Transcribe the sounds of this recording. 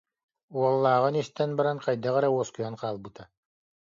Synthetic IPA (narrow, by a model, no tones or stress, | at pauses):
uɔlˠːaːʁɯnist̪ɛnbɑɾanqɑjd̪aʁæɾɛuɔskujɑnqɑːlˠbɯt̪ʰa